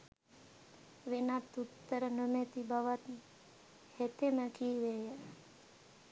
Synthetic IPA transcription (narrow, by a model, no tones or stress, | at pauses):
ʋenat̪ːut̪ːəɾənomet̪ibaʋat̪ | het̪eməkiːʋeja